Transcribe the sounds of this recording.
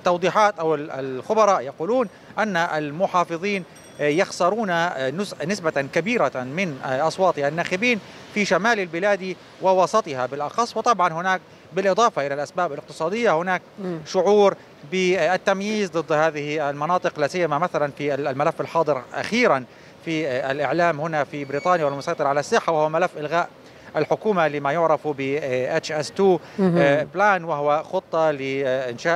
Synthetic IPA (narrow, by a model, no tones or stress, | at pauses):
t̪ːɑwd̪ˤiːħɑːt̪ʔawɪɪ̰lxʊbɑɾˤɑːʔjaquːluːn | ʔanːaʔa̰lmʊħɑːfɨðˤiːn | jɑxsɑɾˤuːnanʊnɪsbaakabiːɾamɪnʔɑsˤwɑːt̪ˤɪhanːaːxɪbiːn | fiʃamaːlɪlbɪlaːd̪i | wɪwɑsˤɑt̪ˤɨhabɪlʔɑxɑsˤːwɨt̪ˤɑbʕɑnhʊnaːk̚ | bɪlʔɨd̪ˤɑːfɑʔɪlalʔasbaːbalɪq̚t̪ɨ̥sˤɑːd̪ɪjːahʊnaːk̚ʃʊʕuːɾ | bɪɪt̪ːamjiːzd̪ˤɨd̪ːhaːðɪhiɪlmɑnɑːt̪ˤɨqlasɪjːamamaθalanfilmalafːɪlħɑːd̪ˤɨɾʔa̰xiːɾan | fiɪlʔɪʕlaːmhʊnafibɾiːt̪ˤɑːnjawɪlmʊsˤɑjt̪ˤɨɾʕalasːɪħːawɪhʊwamalafːʔɪlɣaːʔ | ʔɪlħʊkuːmalɪmajʊʕɾɑfbɪʔat͡ʃʔast̪uː | blaːnwɪhʊwaxʊt̪ˤːɑlɪʔɪnʃaː